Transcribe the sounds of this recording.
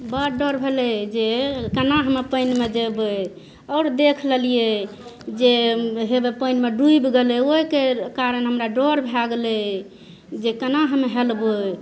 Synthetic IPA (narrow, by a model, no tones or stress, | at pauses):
bəɖɔɾbʱelɛd͡ʒekənaɦəmepənmed͡ʒebe | ɔɾd̪ekʰləlije | d͡ʒeɦebepəjnmeɖuibɡelɛoikekaɾənɦəmɾaɖoɾbʱaɡlɛ | d͡ʒekənaɦəmeɦelbo